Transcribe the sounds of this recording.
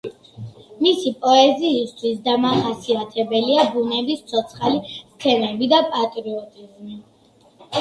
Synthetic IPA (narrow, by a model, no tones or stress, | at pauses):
misipʼɔɛziːst̪ʰwisd̪amaχasiat̪ʰɛbɛliabunɛbist̪sʰɔt̪sʰχalist̪ʰɛnɛbid̪apʼat̪ʼɾiɔt̪ʼizmi